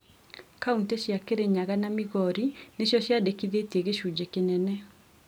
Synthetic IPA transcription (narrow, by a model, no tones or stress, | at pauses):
kaunteʃjakeɾeɲaɣanamiɣɔɾineʃjɔʃjadekiðeteɣeʃud͡ʒekenɛnɛ